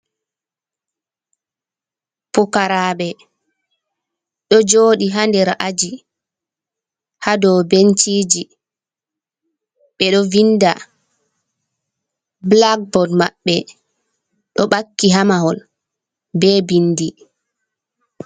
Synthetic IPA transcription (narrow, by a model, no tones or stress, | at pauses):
pɔkaɾaːɓɛ | ɗɔd͡ʒoːɗiɦandɛɾaʔad͡ʒi | hadɔwbent͡ʃiːd͡ʒi | ɓɛɗɔvinda̰ | blak̚bɔdmaɓːɛ | ɗɔɓakːiɦamaɦɔl | bɛːbindi